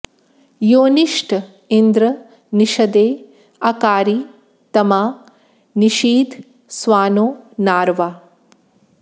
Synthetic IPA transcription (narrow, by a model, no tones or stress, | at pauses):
joːniʂʈ | ind̪ɾɐ | niʃɐd̪eː | ɐkaːɾi | t̪ɐmaː | niʃiːd̪ | sʋaːnoːnaːɾʋa